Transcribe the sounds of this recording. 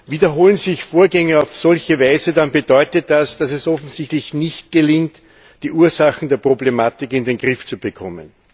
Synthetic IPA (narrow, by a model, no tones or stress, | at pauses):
viːdɐɦoːlənzɪçfoːɐɡɛŋəɑʊfsɔlçəvaɪzədanbədɔʏtət̚d̥asd̥asɛsɔfn̩z̥ɪçtlɪçnɪçt̚ɡ̥əlɪŋt | d̥iːʔuːɐzaxn̩deːɐpʁ̥oblemaːtɪkɪndenɡʁɪft͡subəkʰɔmə̰n